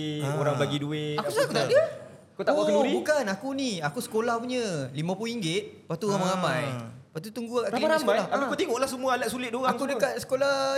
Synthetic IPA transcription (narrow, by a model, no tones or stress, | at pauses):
aoɾaŋbaɡiduɪakusaakut̪aʔdiə | akut̪aʔoɡubukanakuniakusə̥kolahpuɲəlimãpluiŋɡɪt̪̚pat̪uɣamaɾamãjpat̪ut̪uŋɡuakakɾamaɾaəmajlaaikut̪iŋɔʔlahsəmuaalaʔ̚sulɪt̪̚doɣaŋtkudəkat̪̚sə̥kola